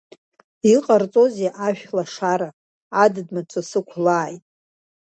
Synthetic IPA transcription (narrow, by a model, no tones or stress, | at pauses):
iqʼart͡sʼo̞zaʔaʃᶣlaʂaɾa | adɨdmaʈ͡ʂʷʰasɨkʷʰlaːjtʼ